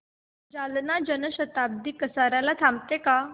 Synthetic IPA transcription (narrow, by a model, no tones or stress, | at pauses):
d͡ʑalnad͡ʑənəɕət̪ab̚d̪iːkəsaɾjalat̪ʰãm̚t̪eka